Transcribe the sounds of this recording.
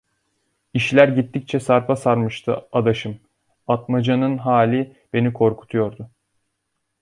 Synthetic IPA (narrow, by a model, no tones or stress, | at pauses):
iʃlʲæɾɟit̪ːic̚t͡ʃʰɛsaɾfasaɾmɯʃt̪ʰɯ̰ad̪aʃɯm | at̪mad͡ʒanɯnɦaːlʲi | b̥e̞nikʰo̞ɾkʰu̥t̪ʰujo̞ɾd̪ʊ